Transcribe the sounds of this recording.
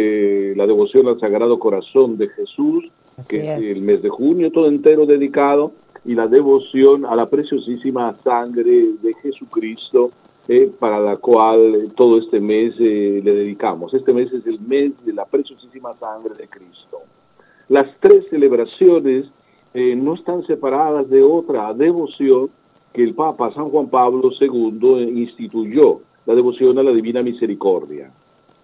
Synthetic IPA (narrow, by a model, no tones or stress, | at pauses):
lað̞eβo̞sjonalsaɣɾað̞okoɾasond̪exesus | keseːlmezðexunjot̪oðoent̪eɾoðeðikað̞o | ilaðeβosjonalapɾesjosisimasaŋɡɾeðexesukɾist̪o | epaɾalakwalt̪oð̞oest̪emeseleðeðikamosest̪emeseselmezðelapɾesjosisimasaŋɡɾeðekɾist̪o | last̪ɾesːeleβɾasjones | enoest̪ansepaɾaðazðeot̪ɾaðeβosjoŋ | keːlpapasaŋxwampaβloseɣund̪oinst̪it̪uʝo | laðeβo̞sjo̞nalaðiβinamise̞ɾikoɾðja̰